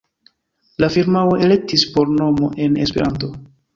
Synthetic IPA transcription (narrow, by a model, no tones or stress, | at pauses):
lafiɾmawoʔe̞le̞k̚tispo̞ɾno̞mo̞̰ʔe̞ne̞̰spe̞ɾʔant̬o̞